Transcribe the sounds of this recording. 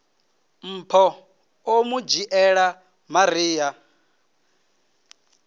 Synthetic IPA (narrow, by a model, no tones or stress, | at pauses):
m̩ːpʰɔ | omud͡ʒiʔɛɺa | maɾiːja